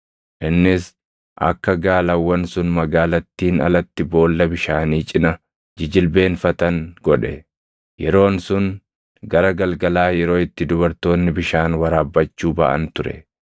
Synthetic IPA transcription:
ʔɪnːɪs | ʔɐ̰kːɐɡaːlɐwːɐnsʊnmɐɡaːlɐt̪ːiːnɐ̰lɐt̪ːɪbo̞ːlːɐbɪʃaːniːt͡ʃʼɪnɐ | d͡ʒɪd͡ʒɪlbe̞ːnfɐt̪ɐŋɡ̥ɔᶑɛ | jɛɾo̞ːnsʊn | ɡɐɾɐɡɐlɡɐlaːjɛɾo̞ːɪt̪ːɪd̪ʊbɐɾt̪o̞ːnːɪbɪʃaːnwɐɾaːbːɐt͡ʃːuːbɐʔɐ̰nt̪ʊɾɛ̰

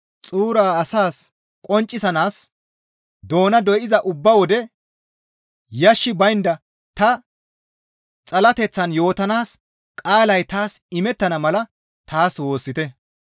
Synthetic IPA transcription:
t͡sʼuːɾaːɐsaːs | kʼɔnt͡ʃʼːɪsɐnaːs | d̪o̞ːnɐd̪ɔjɪzɐʔʊbːɐwɔd̪ɛ | jɐʃːɪbɐjnd̪ɐ | t̪ɐ | t͡sʼɐlɐt̪ɛt͡sːɐnjo̞ːt̪ɐnaːs | kʼaːlɐjt̪aːsɪmɛt̪ːɐnɐmɐlɐ | t̪aːswo̞ːsːɪt̪ɛ

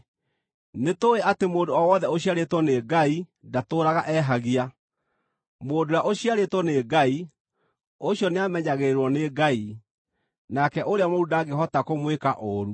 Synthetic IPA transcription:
netoeatemoːdoɔwɔðɛoɕiaɾetwɔneɡaidatoːɾaɣaʔɛɦaɣia | moːdojaʔoɕijaɾetwɔneːɡai | oɕjɔneamɛɲaɣeɾwɔneɡai | nakɛʔoɾeamoɾudaːɡeɦɔtakomwekaʔoɾu

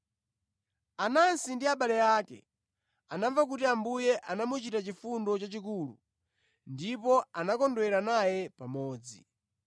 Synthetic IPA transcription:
anansindiaɓalɛjaːkɛ̰ | anavak̬utiambujɛʔanamut͡ʃitat͡ʃifundɔt͡ʃat͡ʃikulṵ | ndipɔanakɔndɔɛɾanajɛpamɔːd͡zḭ

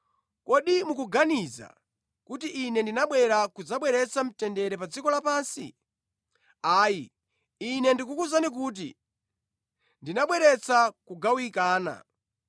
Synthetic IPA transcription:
kɔɗimukuɡaniza̰ | kutiʔːnɛndinaɓwɛɾakud͡zaɓwɛɾɛt͡sam̩tɛndɛɾɛpad͡zikɔlapaːnsi | aːji | inɛndikukuzanik̬uːt̬ḭ | ndinaɓwɛɾɛt͡sʰakuɡawikaːna̰

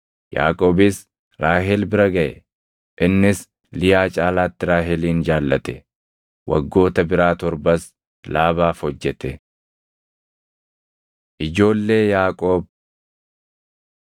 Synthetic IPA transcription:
ja̰ːkʼoːbɪs | ɾaːɦɛlbɪɾɐɡɐʔɛ̰ | ʔɪnːɪs | lɪjaːt͡ʃʼaːlaːt̪ːɪɾaːɦɛliːnd͡ʒaːlːɐt̪ɛ | wɐ̰ɡːo̞ːt̪ɐbɪɾaːt̪ɔɾbɐs | laːβaːfhɔd͡ʒːɛt̪ɛ | ʔɪd͡ʒo̞ːlːe̞ːjaːkʼoːb̚

